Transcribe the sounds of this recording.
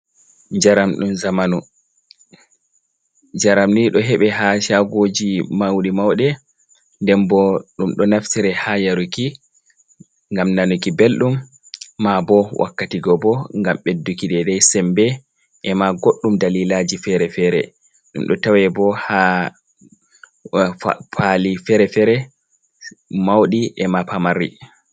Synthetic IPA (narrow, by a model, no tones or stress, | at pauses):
d͡ʒaɾamɗumzamanu | d͡ʒaɾamniɗɔɦɛɓɛɦaʃaɡod͡ʒimawɗimawɗɛ | ndɛmbɔɗumɗɔnaftiɾɛhajaɾuki | ŋɡamnanukibelɗumː | abɔwʔa̰kːatiɡɔbɔŋɡamɓedːukiɗɛdajsɛmbɛ | ʔɛmaɡoɗːumdalilad͡ʒifɛɾɛfɛɾɛ̰ | ɗṵmɗɔ̰tawɛbɔha | fʰalifɛɾɛfɛɾɛ | mawɗiʔɛmapamaɾːḭ